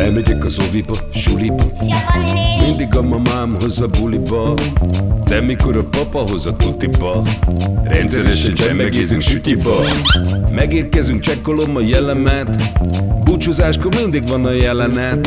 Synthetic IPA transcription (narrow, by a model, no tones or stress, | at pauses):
ɛlmɛɟɛkɒzovib | ʃulip | mind̪iɡɒmɒmaːmɦo̞zɒbulibɒ | d̪ɛmiko̞ɾɒpɒpɒɦo̞zɒt̪ut̪ibɒ | rɛ̰nt̪sɛɾɛʃɛnɛmɛɛɡezyŋsut̪ibɒ | mɛɡeːrkɛzyŋk̚t͡ʃɛkːo̞lo̞mːɒjɛlɛmɛt̪but͡ʃuzaːʃkomind̪iɡʋɒnɒjɛlɛnɛt̪